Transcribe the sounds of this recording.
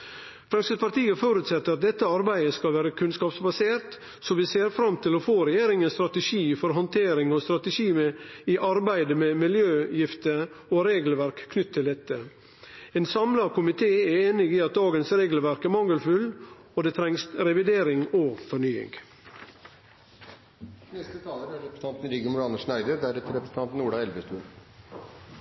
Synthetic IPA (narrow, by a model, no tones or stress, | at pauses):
fɾɑŋsəspʰɑɾt̪iːəfoːɾʉːt̪sɛt̪ːəɾɑt̪̚d̪ɛt̪ːəɑɾbæɪəskɑlʋæːɾəkʰʉnskɑːpsbɑseːɾt̪ | sɔʋɪseːɾfɾɑmt̪ʰɪlɔfoːɾɛjeːɾɪŋənst̪ɾɑt̪əʂiːfɔɾɦɔnt̪ʰeːɾɪŋɔst̪ɾɑt̪əʂiːmɛɪʔɑɾbæɪd̪əmɛmɪljøːjɪft̪ə | ɔɾeːɡl̩ʋæɾkʰːnʏt̪ːʰɪld̪ɛt̪ːə | eːnsɑmlɑkʰʊmɪt̪ʰeːæɾeːnɪɡiːɑt̪̚d̪ɑːɡənsɾeːɡl̩ʋæɾkæɾmɑŋːəlfʉl | ɔd̪eːt̪ʰɾɛŋsɾɛʋɪd̪eːɾɪŋoːfɔɳyːɪ̰ŋɡ | nɛst̪ət̪ʰɑːləɾæɾɾɛpɾəsət̪ɑnt̪ən̩ɾiːɡəmʊɾɑnəʂnæɪd̪əɾd̪æɾɛt̪əɾɛpɾəsn̩t̪ɑnt̪n̩uːɖɑɛlʋəst̪ʉːl